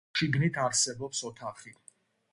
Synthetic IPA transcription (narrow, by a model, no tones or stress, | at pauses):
ʃiɡnit̪ʰaɾsɛbɔpsɔt̪ʰaχi